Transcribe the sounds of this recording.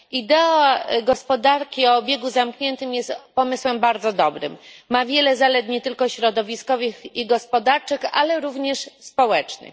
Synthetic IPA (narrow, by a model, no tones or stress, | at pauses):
id̪ɛɔɡɔspɔd̪aɾkʲiɔːbʲjɛɡuzamkɲɛnt̪ɘmjɛst̪pɔmɘswɛmbaɾd̪zɔd̪ɔbɾɘ̰mːavʲjɛlɛzalɛt̪ɲɛt̪ɘlkɔɕɾɔd̪ɔvʲiskɔvɘxiɡɔspɔd̪aɾt͡ʂɘxa̰lɛɾuvɲɛʂspɔwɛt͡ʂnɘ̰x